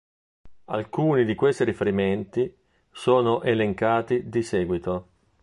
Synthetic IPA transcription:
a̰lkuːnid̪ikwest̪iɾifeɾiment̪i | soːnoʔeleŋkaːt̪id̪isɛːɡwit̪o

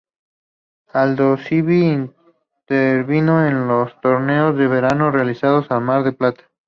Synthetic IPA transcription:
ald̪osiβiːn | t̪eɾβino̞enlost̪o̞ɾne̞ozðe̞βe̞ɾano̞realisað̞o̞salmaɾðe̞plat̪ḁ

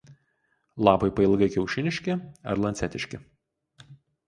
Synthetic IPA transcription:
lˠɑːpɐɪpɐɪlˠɡɐɪkʲɛʊʃʲɪnʲɪʃʲkʲɪɐ̰ɾlˠɐnt̪sʲɛt̪ʲɪʃʲkʲɪ

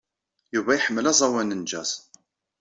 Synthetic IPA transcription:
juvæjħəmːəlæzˤɑwænənd͡ʒæz

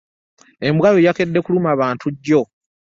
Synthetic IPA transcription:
e̞mbwaβojake̞dːe̞kulumaβaːntʰuɟːo̞

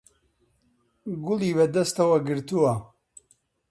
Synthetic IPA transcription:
ɡʊliːbɐd̪ɐst̪ɐwɐɡɨɾt̪uwɐ

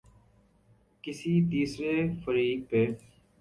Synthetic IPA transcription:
kɪsiːt̪iːsɾeːfəɾiːk̚peː

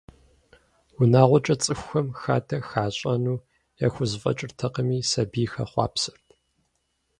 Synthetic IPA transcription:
wʊnaːʁʷɔt͡ʃʼɐt͡sʼɨxʷxɐmxaːdʰɐxaːɕʼɐnuː | ja̰xʷʊzfʼɐ̰t͡ʃʼɪrtʰɐqəmiːsɐbiːxɐ̰χʷɑ̰ːpsɨrtʰ

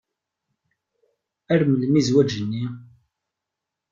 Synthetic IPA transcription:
æɾməlmizwæd͡ʒənːi

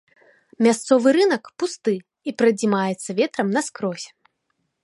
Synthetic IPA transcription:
mʲast̪sɔvɨɾɨnɐkpust̪ɨ | ipɾɐd͡zʲimajɛt̪sːɐvʲɛt̪ɾɐmnɐskɾɔsʲɛ̥

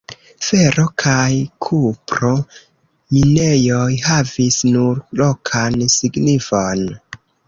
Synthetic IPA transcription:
fe̞ɾo̞kʰajkʰupɾo̞ | mine̞jojhavisnuɾlo̞kʰansiɡnifon

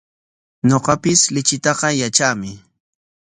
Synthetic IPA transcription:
ɲoqɑpɪslɪt͡ʃɪt̪ɑqɑjat͡ʃaːmɪ

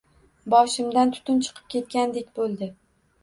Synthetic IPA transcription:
bɒʃɪmd̪ant̪ʰʊ̥t̪ʰʊnt͡ʃʰɨ̥qʰɨ̥p̚kʲe̞t̪̚kʲand̪e̞kʲbolˠd̪ɪ

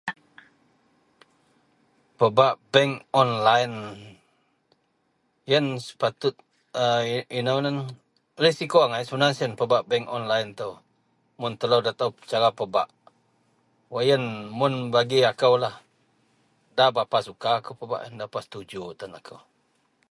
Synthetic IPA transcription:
pəbaʔbɛŋɔnlajn | jənsə̥pat̪ʊt̪̚ | əinownən | risikoaŋajsəbənaŋsənpəbaʔbɛŋkɔnlajnt̪ə | mʊnt̪əlowdat̪awpt͡ʃaɾapəbaʔ | wajənmʊnbaɡiakəwlah | dabapasukaːkəwpəba̰ʔjəndapast̪ud͡ʒut̪ənakʰəw

